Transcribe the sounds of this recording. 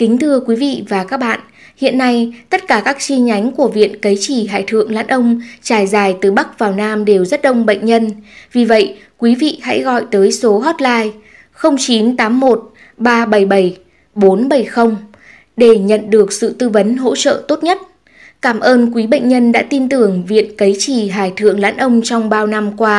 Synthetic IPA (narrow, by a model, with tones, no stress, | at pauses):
kï˨˦ŋ̟t̪ʰɨ˧əkwi˨˦vḭ˧˨vaː˨˩kaː˦˥k̚ɓa̰ː˧˨n | hḭ˧˨ənːa˧jt̪ə˦˥t̚kaː˧˩kaː˦˥k̚t͡ɕi˧ɲa˨˦jŋ̟ku˧˩əvḭ˧˨ənkə˨˦jt͡ɕi˧˩ɦa̰ː˧˨jt̪ʰɨ̰˧˨əŋla̰ː˧˥nʔə˧wŋ͡mt͡ɕaː˧˩jzaː˨˩jt̪ɨ˨˩ɓa˦˥k̚vaː˨˩wnaː˧mɗe˨˩wzə˦˥t̚ɗə˧wŋ͡mɓə̰˧˨jŋ̟ɲə˧nvi˨˩və̰˧˨j | kwi˨˦vḭ˧˨ha̰˧˥jɣɔ̰˧˨jt̪əː˨˦jso˨˦ɦɔ˦˥t̚laː˧j | xə˧wŋ͡mt͡ɕi˨˦nt̪aː˨˦mːo˨˩t̚ | ɓaː˧ɓə˧˩jɓə˧˩j | ɓo˨˦nɓə˧˩jxə˧wŋ͡m | ɗe˧˩ɲə̰˧˨nɗɨ˨˩ək̚sɨ̰˧˨t̪ɨ˧və˨˦nɦo̰˧˥t͡ɕə̰ː˧˨t̪o˦˥t̚ɲə˦˥t̚ | kaː˧˩mʔəː˧nkwi˨˦ɓə̰˧˨ŋ̟ɲə˧nɗa̰ː˧˥t̪i˧nt̪ɨ˨˩əŋvḭ˧˨ənkə˨˦jt͡ɕi˧˩ɦa̰ː˧˨˩jt̪ʰɨ̰˧˨əŋla̰ː˧˥nʔə˧wŋ͡mt͡ɕɔ˧wŋ͡mɓaː˧wna˧mkwaː˧